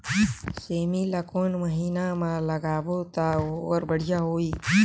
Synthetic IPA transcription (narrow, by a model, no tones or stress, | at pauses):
seːmilakoːnməɦiːnamãləɡaːbot̪aoːɾbəɽ̤ijaɦoːiː